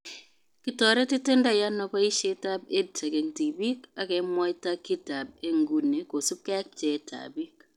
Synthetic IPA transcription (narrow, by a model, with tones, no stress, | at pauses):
ki˨tɔ˨ɾɛ˦tɪ˦te˦nda˦ja˦nɔ˨kɔ˦i˦ʃe˦ta˦b̚e˦d̚ta˨ke˨ŋti˨bi˦ka˨kɛ˨mwɔ˦jta˦kːi˦ta˨b̚e˦ŋɡu˨ne˨ko˨su˦p̚kɛ˦k̚t͡ʃɛ˨˦tʰa̰˨bi˦k̚